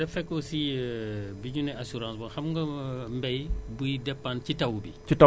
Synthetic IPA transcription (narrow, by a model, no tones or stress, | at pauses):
dɛfɛkːɔsiɛbiɲunɛasuɾãːsbɔxɐmŋɡɐmbɛjbujdɛpːancitɐwbi | ita